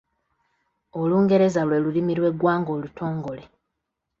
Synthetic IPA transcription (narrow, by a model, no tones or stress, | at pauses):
o̞luːŋɡe̞ɾe̞zalwe̞ːlulimiɾwe̞ɡwaːŋɡo̞ːlutʰo̞ːŋɡo̞le